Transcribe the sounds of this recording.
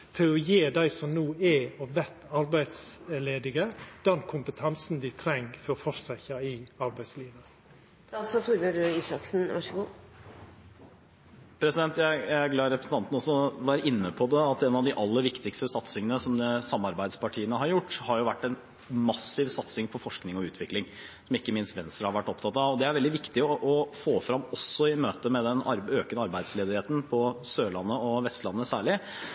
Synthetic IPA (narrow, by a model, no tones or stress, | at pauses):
fɔɾɔjeːd̪æɪsɔmnuːɛɔʋɛt̪ːɑɾbæɪd̪sleːd̪ɪɡəd̪̥ɛnkʰʊmpət̪ʰɛnsn̩d̪ɪt̪ʰɾɛŋfɔɾɔfɔʂsæçɑɪɑɾbæɪsliːʋə | sɔt̪ʰuɾməɾisɑksn̩ʋɑ̰ʂəɡuː | pʰɾɛsɪd̪ɛnt̪jæɪjæɪæɡlɑːɾɛpɾəsn̩ʰɑnt̪ən̩ɔsɔʋæːɾəʔɪnːəpʰɔd̪ɛɑt̪ɛːnɑʋd̪ɪʔɑlːəɾʋɪkt̪ɪkst̪əsɑt̪sɪŋənəsɔmsɑmːɑɾbæɪd̪spɑʈʰiːənəɦɑɾjʊʈːhɑɾjʊʋæʈːɛn | mɑsɪʋsɑt̪sɪŋpʰɔfɔʂknɪŋɔʉːt̪ʰʋɪklɪŋ | sɔmɪkːəmɪnst̪ʋɛnst̪ɾəhɑɾʋæʈːɔpt̪ʰɑt̪ɑʋɔd̪ɛæɾʋɛld̪ɪʋɪkt̪ɪɔʔɔfoːfɾɑmɔsːɔɪmøːt̪əmɛd̪ɛnɑɾøːkənəɑɾbæɪd̪sleːd̪ɪheːt̪n̩pʰɔsøːɭɑnːəɔʋɛst̪lɑnːəsæːɭɪ